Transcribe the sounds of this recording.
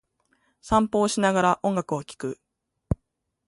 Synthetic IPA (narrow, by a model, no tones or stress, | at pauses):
sãmpo̞ːɕinaɡaɾaʔõ̞ŋɡakɯ̟okʲi̥kɯ̟